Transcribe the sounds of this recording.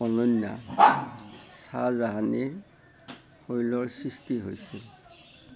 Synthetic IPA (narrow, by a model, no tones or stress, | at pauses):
ɔnɔnja̰ | sazaɦani | hojlɔɹsistiɦojsɛ